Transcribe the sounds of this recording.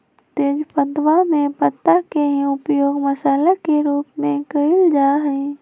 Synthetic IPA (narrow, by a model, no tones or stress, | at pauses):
t̪eːd͡ʒpəd̪wamẽpət̪ːakeɦĩʊpjoːɡməsaːlakeɾuːpmẽkəɪld͡ʒaːɦəi